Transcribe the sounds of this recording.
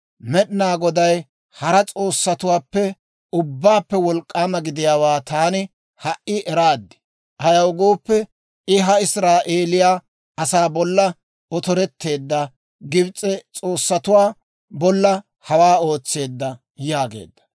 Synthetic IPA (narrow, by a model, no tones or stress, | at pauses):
mɛɗnaːɡɔd̪ɐj | hɐɾɐt͡sʼo̞ːsːɐt̪ʊwaːpːɛ | ʊbːaːpːɛwɔlkʼːaːmɐɡɪd̪ɪjaːwaːt̪aːnɪ | hɐʔɪʔɛɾaːd̪ːɪ̥ | ʔɐjɐwɡoːpːɛ | ɪɦɐɪsɾaːʔeːlɪjaː | ɐsaːbɔlːɐ | ɔt̪ɔɾɛt̪ːe̞ːd̪ːɐ | ɡɪbt͡sʼːɛt͡sʼo̞ːsːɐt̪ʊwaː | bɔlːɐ | hɐwaːo̞ːt͡sːe̞ːd̪ːɐ | jaːɡe̞̰ːd̪ːɐ̥